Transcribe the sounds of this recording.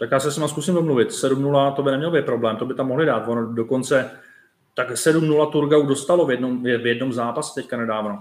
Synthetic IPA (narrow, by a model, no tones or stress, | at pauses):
t̪akjaːsɛsɲɛmaskusimdomluvɪt̪sɛdumnulat̪o̞bɪnɛmɲɛlobɪt̪̚pɾo̞blɛːmt̪o̞bɪt̪amo̞ɦlɪdaːt̪vonodo̞ko̞nt͡sɛ | t̪aksɛdumnulat̪uɾɡaudo̞st̪alo̞vjɛdnomjɛvjɛdno̞mzaːpasɛ̥t̪ɛckanɛdaːvno